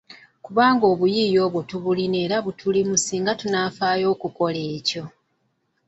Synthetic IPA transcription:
kuβaːŋɡo̞ːβujiːjo̞ːβwo̞tuβuline̞ːɾaβutʰulimusiːŋɡatunafaːjo̞ːkuko̞leːco̞

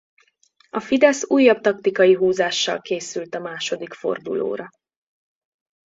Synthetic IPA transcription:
ɒfid̪ɛsuːjːɒb̚t̪ɒk̚t̪ikɒjiɦuːzaːʃːɒ̰lkeːsylt̪ɒmaːʃo̞d̪ikfo̞̰rd̪ṵlo̰ːɾɒ

